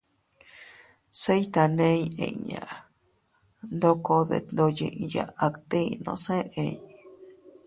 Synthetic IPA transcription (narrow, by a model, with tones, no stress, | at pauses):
se˦jt̪a˧nẽ˧ɲ˧ḛ̃˧˨˧ɲã̰˨ | nd̪o˦ko˧ðḛ˧˨nd̪o˧jḭ̃˧ʔja̰˧a˧t̪ĩ˦˧nõ̰˧˦sẽ˦ẽ˧˨˧